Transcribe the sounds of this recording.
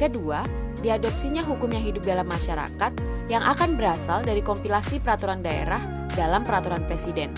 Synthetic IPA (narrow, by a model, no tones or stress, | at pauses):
kədua | diadɔp̚siɲaɦukʊmɲaŋɦidʊp̚dalamːaʃaɾa̰kat̪̚jaŋʔakanbəɾasaldaɾikɔmpilasipəɾat̪uɾandaḛɾah | dalampəɾat̪uɾanpɾesidɛn